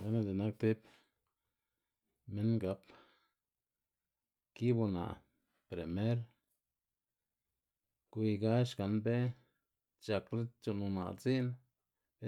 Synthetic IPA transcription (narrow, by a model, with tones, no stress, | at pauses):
we˦na˧d̪e˨na˦k̚t̪i˦p | me˦nɡa˧p | ki˦bu˧na̰˨ | pɾe˨me˦ɾ | kʷi˧ɡa˦ʃka˨˧nbe˦ | t͡ʃa˧kle˦t͡ʃo˧nu˧na̰˨t͡si˦n | be˦